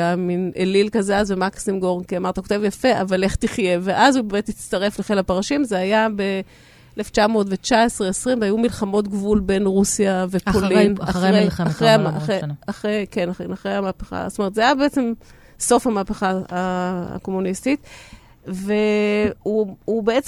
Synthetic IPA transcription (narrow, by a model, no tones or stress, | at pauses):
aminʔelilkazeazvemaksimɡoʁnkiamaʁt̪ako̞t̪evjafe̞ʔavale̞χt̪iχje̞veʔazubemet̪it͡staʁe̞fleχelapaʁaʃimzeajabe̞ | eleft͡ʃamo̞ːtve̞t͡ʃaesʁeesʁimveajumilχamo̞t̪ɡvulbe̞nʁusjavepolnaeaχʁejaaejaχʁejkenanaχʁejamaːpeχa̰tome̞t̪zeajabeet͡sem | so̞fhamaːpeχaaa̰ko̞munistit̪ | ve̞uubeet͡s